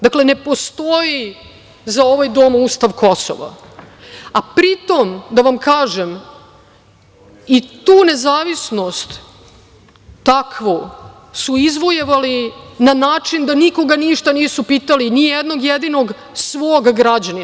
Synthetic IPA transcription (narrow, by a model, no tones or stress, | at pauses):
d̪akle̞nepo̞st̪oji | zao̞ʋajd̪omust̪aʋko̞so̰ʋa̰ | apɾit̪o̞md̪aʋamkaːʒem | it̪uːne̞zaːʋisno̞st̪ | akʋo | suizʋojeʋalinanaːt͡ʂind̪aniko̞ɡaniʃt̪aniːsupit̪alinijɛd̪no̞ɡjed̪ino̞ɡ | sʋoːɡɡɾad͡ʑani